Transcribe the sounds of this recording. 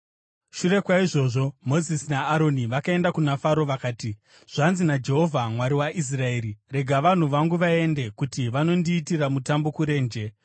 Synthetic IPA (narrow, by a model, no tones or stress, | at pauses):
ʃure̞kwaiʐo̞ːʐo̞mo̞zisinaːɾo̞niʋakae̞ndakunafaɾo̞ʋakaːti | ʐ̥anzinad͡ʒe̞ɦo̞vʱamwaɾiwaʔis̬rae̞ːɾire̞ɡʱaʋan̤uʋaŋɡuʋae̞nde̞kutiʋano̞ndiːtiramutambo̞kuɾe̞ːnd͡ʒe̞